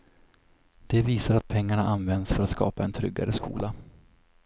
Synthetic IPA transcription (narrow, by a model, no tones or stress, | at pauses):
d̪̥ɛviːsaɾat̪̚pʰɛŋːaɳaʔanvɛnd̪sfœɾat̪skɑ̰ːpaɛnt̪ʰɾʏ̰ɡːa̰ɾəskṵːla